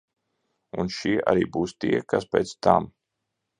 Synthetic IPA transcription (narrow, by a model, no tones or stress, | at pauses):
unʃiɛʔa̰ɾḭːbuːst̪iɛkaspʲɛːt̪st̪am